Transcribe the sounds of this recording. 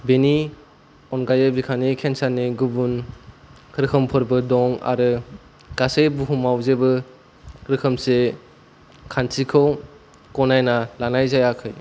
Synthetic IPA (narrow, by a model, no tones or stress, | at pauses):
beni | ɔnɡajɯbikʰanikʰensaneɡubun | kʰɯɾkʰɯmpʰɯɾbɯdɔŋa̰ɾɯ | ɡ̥asejbuɦumawzebɯ | kʰɾɯkʰɯmse | kʰansʰikʰɯw | kɔnajnalanajzajakʰɯj